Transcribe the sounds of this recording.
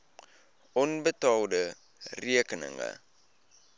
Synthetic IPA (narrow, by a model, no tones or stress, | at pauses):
ʔɔnbətɑldə | riəkənə̰ŋə̰